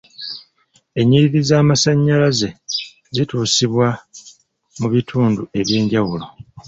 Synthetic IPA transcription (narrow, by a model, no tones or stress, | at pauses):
e̞ɲːiɾiɾizaːmasaɲːalaze̞ | zituːsiβwa | muβitʰuːndue̞βje̞ːɲɟawulo̞